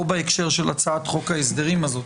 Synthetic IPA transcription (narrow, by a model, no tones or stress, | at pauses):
obeekʃe̞ʁʃe̞lat͡saat̪χo̞kaes̬d̪e̞ʁimazo̞